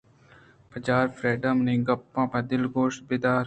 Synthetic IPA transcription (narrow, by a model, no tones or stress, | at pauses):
pʰəd͡ʒaːɾfɾeːɖəmnĩːɡɐpːãːpɐd̪ɪlɡoːʃʈ̚bɪːd̪aːɾ